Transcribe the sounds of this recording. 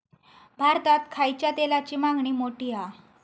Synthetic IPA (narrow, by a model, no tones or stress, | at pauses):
bʱaɾt̪at̪kʰajt͡ɕjat̪elat͡ɕiːmãŋɡɳiːmoʈiːa